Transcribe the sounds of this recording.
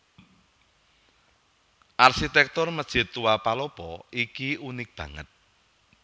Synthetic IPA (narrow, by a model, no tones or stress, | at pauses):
ʔarʃit̪ɛk̚t̪ʊrməd̥ʒ̥ɪ̤t̪uwapalɔpɔikiunɪk̚b̥ä̤ŋə̰t̪̚